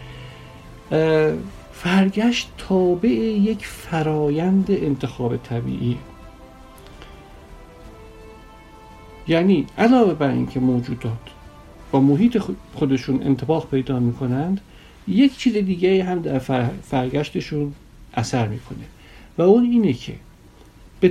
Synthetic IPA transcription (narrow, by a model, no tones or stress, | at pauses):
fæɾɟæʃt̪t̪ʰɒːbe̞ʔejecʰfæɾɒːjænd̪eʔent̪ʰe̞xɒːbe̞t̪ʰæbḭːʔiː | jæniːʔælɒːve̞bæɾḭːncʰe̞moːd͡ʒuːd̪ɒːt̪ʰ | b̥ɒːmoɦiːt̪ʰexod̪e̞ʃuːnḛnt̪ʰe̞bɒːɣpʰe̞jd̪ɒːmiːkʰo̞nænd̪̥ | je̞ct͡ʃʰiːzed̪iːɟeiːɦæmd̪æɾfæɾɟæʃt̪e̞ʃuːn | ʔæsæɾmḭːkʰo̞ne̞ | væuniːnecʰe̞̰ | b̥e